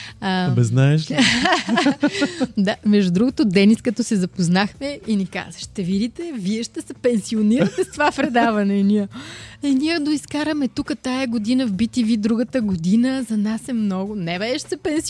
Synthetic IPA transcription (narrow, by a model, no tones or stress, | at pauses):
əbɛznaɛʃ | d̪amɛʒd̪ud̪ɾuɡot̪od̪ɛniskɐt̪ɔsɛzɐpoznaxmɛinika̰zəʃt̪ɛvid̪it̪ɛviɛʃt̪ɛsɛpɛnsioniɾət̪ɛst̪ovapɾɛd̪avɐnɛniəɛniɛd̪oiskaɾəmɛt̪ukət̪ajɐɡod̪inəvbit̪ivid̪ɾuɡət̪əɡod̪inəzɐnasɛmnɔɡʊnɛvɛʃsɛpɛns